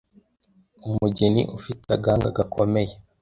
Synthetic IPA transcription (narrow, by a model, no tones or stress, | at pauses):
umuɟenḭʔufitaɡaːŋɡaɡakʰome̞je